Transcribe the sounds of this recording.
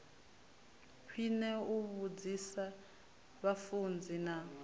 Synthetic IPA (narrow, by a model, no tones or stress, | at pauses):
kʰwinɛuβud͡zisa | βafund͡zʱina